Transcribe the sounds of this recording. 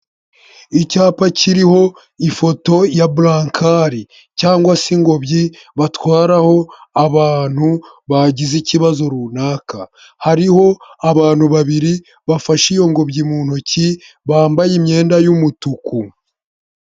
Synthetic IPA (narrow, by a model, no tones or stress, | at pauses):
icaːpaciɾiho̞ | ifo̞to̞jablaːŋkʰaɾi | caːŋɡwasiŋɡo̞bɟi | βatwaːɾaho̞aβaːn̥hu | βaɟiziciβazo̞ɾunaːka | haɾiho̞aβaːn̥huβaβiɾi | βafaʃijo̞ŋɡo̞bɟimuːn̥oci | βaːmbajimɲe̞ːndajumutuku